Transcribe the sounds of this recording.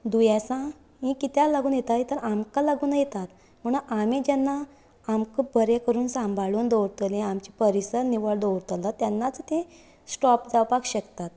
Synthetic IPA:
d̪ujasã | ɦĩkit̪jalaɡuːnjet̪aɦit̪əɾamkalaɡuːnjet̪at̪ | m̤əɳuamid͡ʑɛnːa | amkəbəɾekəɾuːnsãmbʱaɭuːnd̪owɾt̪əlẽamt͡ɕipəɾisəɾniʋəɭd̪owɾt̪əlat̪janːat͡st̪ẽ | sʈɔpd͡zawpakɕəkt̪at̪̚

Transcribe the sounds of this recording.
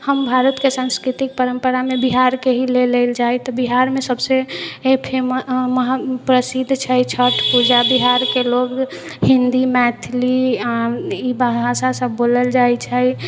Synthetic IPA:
həmbʱaɾət̪kesãnskɾit̪ik̚pəɾəmpəɾamebiɦaɾkeɦileleld͡ʒajt̪ɔbiɦaɾmesəbsepʰemməɦapɾəsid̪ʱt͡ʃʰət͡ʃʰəʈʰpud͡ʒabiɦaɾkeloɡ | hĩnd̪imɛt̪ʰliaibəɦasasəbːoləld͡ʒajt͡ʃʰəj

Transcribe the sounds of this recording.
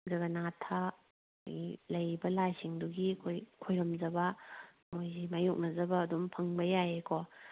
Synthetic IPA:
zɐbɐnatʰa̰ | jilɐjbɐlajsiŋduɡiɐkʰojkʰojɾɐmzɐbɐ | mojzimajok̚nɐzɐbɐːdumpʰɐŋbɐjajeko

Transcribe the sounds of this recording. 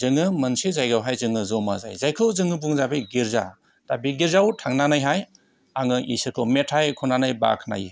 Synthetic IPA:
zɯŋɯmɯnsizajɡawɦajzɯŋɯzɔmaza̰jzajkʰɯwzɯŋɯbuŋzabeɡiɾza̰ | tabiɡiɾzawtʰaŋnanajɦaj | aŋɯʔḭsɯkʰɯwmetʰajkʰɔnanajba̰kʰna̰jḭ

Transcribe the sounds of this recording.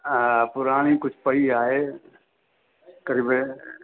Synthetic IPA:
pʊɾaːɽ̃ikʊt͡ʃʰpəiaːɦe | kəɾiːbe

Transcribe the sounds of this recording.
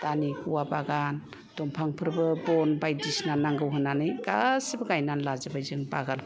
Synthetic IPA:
d̥anikuwabaɡan | d̥ɔmpʰaŋpʰɯɾbɯbɔnbajdisnanaŋɡɯwɦɯnanɯjɡasɯbɯɡajnanlazɯbajzɯŋbaɡan

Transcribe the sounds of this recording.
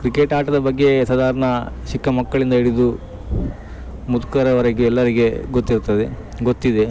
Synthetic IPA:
kɾikeʈaːʈɐd̪ɐbɐɡːe̞sɐːd̪aːɾɐɳɐ | ʃikːɐmɐkːɐɭind̪ɐiɽid̪u | mud̪ukɐɾɐʋɐɾɐɡuɛlːɐɾiɡe̞ɡot̪ːiɾt̪ːɐd̪e̞ | ɡot̪ːid̪e̞

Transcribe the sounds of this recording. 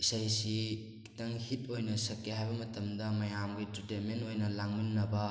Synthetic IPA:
isajsi | ki̥tɐŋhit̚ojnɐsɐkːeɦajbɐmɐtɐmdɐmɐjamɡititementojnɐlaŋminːɐbɐ

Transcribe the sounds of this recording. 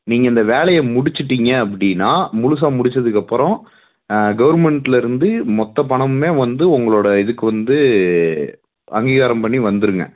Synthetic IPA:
niːŋɡɐɪnd̪ɐʋeːlɐjɐmʊɽɪt͡ʃːɯʈːiŋɡɐːp̬ːɐɽɪnːaːmʊɻʊs̬aːmʊɽɪt͡ʃːɐðɯkːɐpːɯɾɔ̃ | ɡɐʋɐɾmɛɳʈːɪlɪɾɯnd̪ɯmɔt̪ːɐp̬ɐɳɐmɯmeːʋɐnd̪ɯʊŋɡɐɭoːɽɐɪðɯkːɯʋɐnd̪ɯ | ɐ̰ŋɡiːɣaːɾɐmpɐɳːiʋɐnd̪ɯɾɯŋɡɐ̰

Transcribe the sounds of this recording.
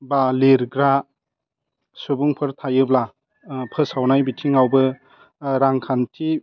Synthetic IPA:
baleɾɡɾa | subuŋpʰɯɾtʰajɯbla | pʰɯsawnajbitʰiŋawbɯ | ɾaŋkʰantʰi

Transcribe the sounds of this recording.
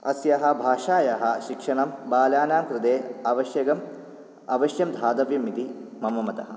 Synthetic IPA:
ɐsjɐɦɐ̆bʱaːʂaːjɐɦɐ̆ʃikʂɐɳɐmbaːlaːnaːmkɾɪd̪eːɐʋɐʃjɐɡɐm | ɐʋɐʃjɐmd̪ʱaːd̪ɐʋjɐmit̪imɐmɐmɐt̪ɐɦɐ

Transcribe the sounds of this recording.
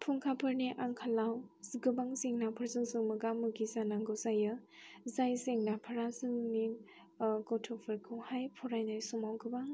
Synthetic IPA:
pʰuŋkʰapʰɯɾniʔaŋkʰalawɡɯbaŋsiŋnapʰɯɾzɯnsɯŋmɯɡamɯɡizanaŋɡɯzajɯzajseŋnapʰaɾasɯŋni | ɡɔtʰɔpʰɯɾkʰɯwhajpʰɔɾajnajsumawɡɯbaŋ

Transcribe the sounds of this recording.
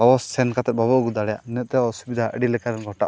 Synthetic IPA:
ɔbɔssɛnkat̪ɛt̪̚babɔʔɡud̪aɽɛjaʔnɛʔ̚t̪ɛɔsubid̪ʱaʔəɖilɛkaɾɛnɡʱɔʈaʔ

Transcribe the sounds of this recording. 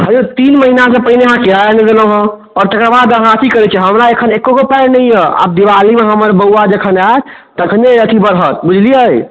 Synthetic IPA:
ɦəd͡ʒot̪inməɦinasẽpəɦineɦãkeaned̪eləɦə̃ | ɔːɾt̪əkɾabad̪əɦãt͡ʃikəɾɛt͡ʃʰɛɦəmɾaekʰənekːoɡopɛɾnəijea̰b̚d̪iʋalimeɦəməɾbəwad͡ʒekʰəna | t̪əkʰəneət̪ʰibəɾɦət̪̚bud͡ʒʱlijəj

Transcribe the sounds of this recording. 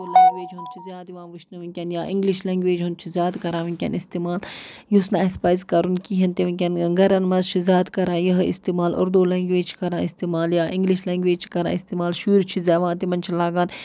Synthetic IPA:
oːlɐŋɡʲʋeːd͡ʒɦunt͡ʃʰizʲjaːd̪iʋãːʋiʃʰnɐʋinʲkʲɐnjaːʔĩŋɡliʃlɐ̃ːŋɡʋeːd͡ʒɦunt͡ʃʰizʲjaːd̪kɐɾãːʋinkʲɐ̰nist̪iːmaːljusnãːispaːjzkɐɾunkiɦɐnt̪iʋɐnʲkʲɐnɡɐɾɐnmɐzt͡ʃʰizʲjaːd̪kɐɾãːjɐɦɨḭst̪iːmaːlʔo̰ɾd̪oːlɐːŋɡʋeːd͡ʒt͡ʃʰi̥kɐɾãːist̪iːmaːljaːʔiŋɡliʃlɐ̃ːŋɡʋeːd͡ʒt͡ʃʰi̥kɐɾã̰ːist̪iːmaːlʃuːɾt͡ʃʰizʲaːʋãːt̪imɐnt͡ʃʰilaːɡaːn

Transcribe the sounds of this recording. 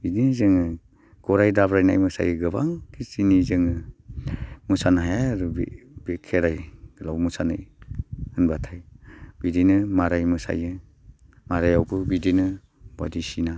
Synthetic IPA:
bidinzɯŋɯ | ɡ̥ɔɾajdabɾajna̰jmɯsa̰jɯɡɯba̰ŋkʰisinizɯŋɯ | musanɦajaɾubḭbekʰeɾajɡlabmusanɯj | ɯnbatʰajbidinɯmaɾajmɯsa̰jɯ | maɾajawbɯbidinɯ | ba̰disina

